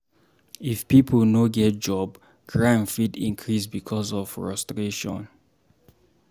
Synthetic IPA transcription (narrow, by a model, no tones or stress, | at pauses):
ifpipʰəlnoɡɛt̚d͡ʒɔb | ɡɹãnfitḭ̃nkʰɹisbikʰɔsɔffɹɔstɹeʃɔ̰̃n